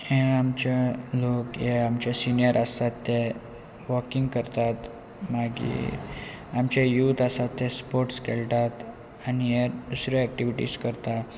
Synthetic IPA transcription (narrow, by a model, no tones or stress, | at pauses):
jɛamt͡ɕalokjeamt͡ɕjasinijəɾʔast̪at̪ːɛ | ʋɔɾkiŋɡkəɾt̪at̪ | maɡḭ | amt͡ɕjajut̪asat̪ːɛspoɾʈskɛlʈat̪ | anijed̪usɾəɛk̚ʈiʋiʈḭːskəɾt̪a